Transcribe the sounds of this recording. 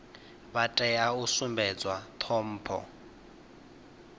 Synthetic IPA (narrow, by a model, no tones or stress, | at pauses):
βatʼɛjausumbɛd͡zwat̪ʰɔm̩ːpʰɔ̰